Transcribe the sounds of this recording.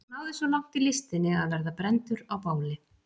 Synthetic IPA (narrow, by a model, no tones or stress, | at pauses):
naːwðɪsvɔlawŋ̥t̪ilɪst̪ɪnːɪaðvɛɾðapɾɛnt̪ʏɾawpaːwlɪ